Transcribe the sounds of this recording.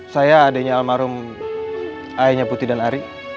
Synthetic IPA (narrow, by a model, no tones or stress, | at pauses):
sajaːdaiɲaːlmaɾʊm | aiɲaput̪idanaɾi